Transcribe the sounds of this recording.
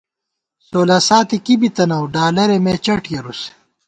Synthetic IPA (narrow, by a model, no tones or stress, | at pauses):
soːlaːsaːt̪ikibit̪ɐnɐwɖaːlɐɾemeːt͡ɕɐʈjɐɾuse̥